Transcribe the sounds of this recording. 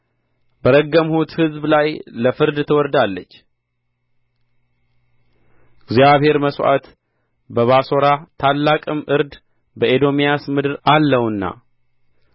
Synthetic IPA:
bəɾəɡːəmhut̪hɨzblajləfɨɾd̪t̪ʰəwɔɾd̪alːət͡ʃː | ɪɡzjaβhe̞ɾməsʔa̰t̪ | bəβaso̞ɾat̪ʰalːakʼɨmʔɨɾd̪ | bəed̪o̞mijasmɨd̪ɨɾalːəwɨnːa̰

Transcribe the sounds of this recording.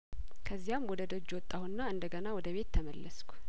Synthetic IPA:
kʰəzːijamwɔd̪əd̪od͡ʒːwɔt̪ʼːahunːaɨnd̪əɡənawɔd̪əβe̞t̪ʰːəməlːəskʷʰu̥

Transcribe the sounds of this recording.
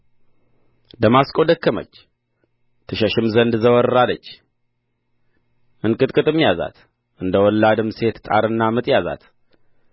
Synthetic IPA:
d̪əmaskʼod̪əkʰːəmə̰t͡ʃː | t̪ʰɨʃəʃɪmzənd̪zəwɔɾɨɾalət͡ʃː | ʔɨnkʼɨt̪ʼkʼɨt̪ʼɨmːjaza̰t̪ | ʔɨnd̪əwɔlːad̪ɨmse̞t̪t̪ʼa̰ɾɨnːamɨt̪ʼjaza̰t̪

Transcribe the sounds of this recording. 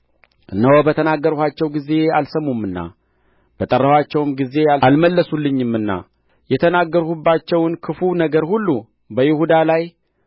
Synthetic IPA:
ɨnəwbət̪ʰənaɡːəɾuhat͡ʃːɛwɡize̞alsəmːumːɨnːa̰ | b̥ət̪ʼərːəhwat͡ʃːɛwmɡize̞alalməlːəsulːɨɲːɨmɨnːa̰ | jɛt̪ʰənaɡːəɾhubːat͡ʃːɛwnkʰɨfunəɡəɾhulːu | bəjɪhud̪alaj

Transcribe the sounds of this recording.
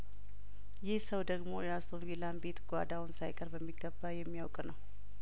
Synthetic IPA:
jɪhsəwd̪əɡmo̞jasovelambe̞t̪ɡʷad̪awʊnsajkʼəɾbəmːiɡːəbːajɛmːijawkʼnəw

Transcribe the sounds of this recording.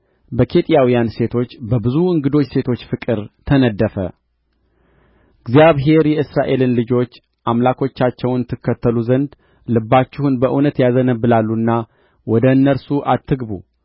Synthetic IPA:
bəkʰe̞t̪ʼijawijanse̞t̪ʰo̞t͡ʃːbəbɨzuɨŋɡɨd̪o̞t͡ʃːse̞t̪ʰo̞t͡ʃːfɨkʼɨɾt̪ʰənəd̪ːəfə̰ | ɡzjaβɦe̞ɾjɛɨsɾaʔe̞lɨnlɨd͡ʒo̞t͡ʃː | ʔamlakʰo̞t͡ʃːat͡ʃːɛwnt̪ʰːɨkːət̪ːəluzənd̪ | lɨbːat͡ʃːɪhunbəʔunət̪jazənəbːɨlalːunːa | wɔd̪əɨnːəɾsuʔat̪ʰːɨɡbu

